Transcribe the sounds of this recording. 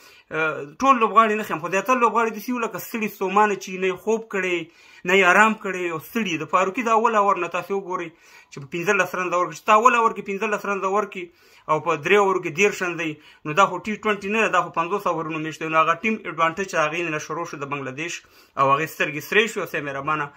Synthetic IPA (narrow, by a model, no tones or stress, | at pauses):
ʈolːobɣɑɽinaxemxozjɑt̪aɾalobɣɑɽid̪əsiwuləkast̪əɽisomɑnat͡ʃinajexob̚kəɽe | najeɑɾɑmkəɽeawst̪əɽied̪əfɑɾukid̪əawalawaɾnat̪ɑsewʊɡoɾəj | t͡ʃepəpɪnzəlasɾanzawaɾkit͡ʃe̥t̪awalawaɾkepɪnzəlasɾanzawaɾki | awpəd̪ɾeawaɾuk̬ed̪eɾʃanzaji | nod̪ɑxoʈiʈwaɳʈinad̪ad̪ɑxopanzosawaɾunomeʃtd̪enoaɣaʈimɪɖwaɳʈət͡ʃed̪aɣenenaʃʊɾoʃəd̪əbaŋɡlad̪eʃ | awaɣest̪əɾɡesɾeʃweawsemeɾabɑna